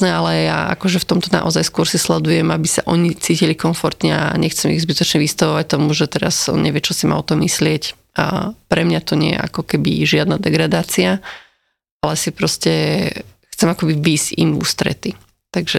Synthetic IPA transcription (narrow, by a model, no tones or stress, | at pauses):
nɛalɛja̰ʔa̰kɔʒɛft̪ɔmt̪ɔna̰ʔɔzajskʊɔɾsislɛd̪ujɛmabisa̰ʔɔɲit͡siːcilikɔɱfɔɾt̪ɲɛa̰ɲɛxt͡sɛmḭɣzbit̪ɔt͡ʃɲɛʋist̪aʋɔʋac̚t̪ɔmuʒɛt̪ɛɾa̰zɔ̰nɲɛ̰ʋɪjɛt͡ʃɔsima̰ɔt̪ɔmːislɪɛc | ʔpɾɛmɲat̪ɔɲɪɛ̰jɛ̰ʔa̰kɔkɛbḭʒɪad̪nad̪ɛɡɾad̪aːt͡sia | alɛsipɾɔscɛ | xt͡sɛmakɔbiʋiːzɟḭmṵːst̪ɾɛ̰t̪i | t̪aɡʒɛ